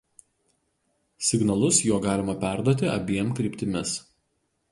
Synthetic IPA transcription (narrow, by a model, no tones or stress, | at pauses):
sʲɪɡnɐlˠʊsjuɔɡɑːlʲɪmɐpʲæˑɾd̪uɔt̪ʲɪʔɐ̰bʲiɛmkɾʲɪˑpʲt̪ʲɪmʲɪs